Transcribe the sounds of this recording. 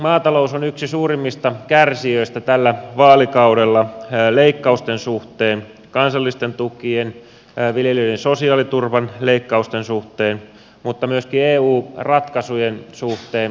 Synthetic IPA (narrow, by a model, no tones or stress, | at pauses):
mɑːt̪ɑlousonyksisuːrimːist̪ɑkærsiøist̪æt̪ælːæʋɑːlikɑudelːɑleikːɑust̪ensuht̪eːn | kɑnsɑlːist̪ent̪ukien | ʋiljeløidensosiɑːlit̪urʋɑnleikːɑust̪ensuht̪eːn | mut̪ːɑmyøskieːuːrɑt̪kɑsujensuht̪eːn